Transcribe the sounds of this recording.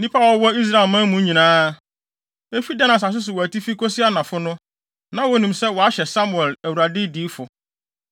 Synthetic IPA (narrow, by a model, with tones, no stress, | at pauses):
nĩ˦pʰa˦ɔ˨˦wɔ˦i˦s̬ɾa˦˨ɪ˨lmã˦mũ˨˦ɲĩ˨nãː˦ | e˦fi˦dɛ˦nã˨s̬a˨s̬ʊ˦s̬ʊ˨wɔ˨æ˨tʰi˦fi˦kʰɔ˦sɪ˦a˦nã˨fʊ˦nʊ̃˦ | nã˨˦wo˦nĩ˨msɛ˦wɔ˨a˦ɕɛ˨sa˦mu˨ɛ˨læ˨wu˨ɾa˨dɪ˦diː˦fʊ˨